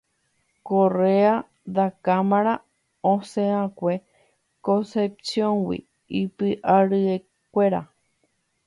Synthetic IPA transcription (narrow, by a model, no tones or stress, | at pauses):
korea | d̪akamãɾ̃a | õsẽãkʷe | kõsepsjõŋwḭ | ipɨʔaɾɨe | kʷeɾa